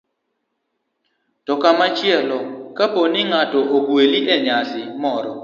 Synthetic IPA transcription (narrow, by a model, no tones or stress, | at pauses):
tɔkamat͡ʃɪɛlɔkaponiŋatɔʔoɡweliʔɛɲasɪmɔɾɔ